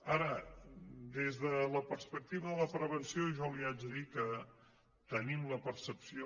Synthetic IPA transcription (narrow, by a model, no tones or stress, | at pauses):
aɾə | d̪ezðələpərspək̚t̪iβəðələpɾəβənsioʒɔliad͡ʒðikə | t̪ənimləpəɾsəpsio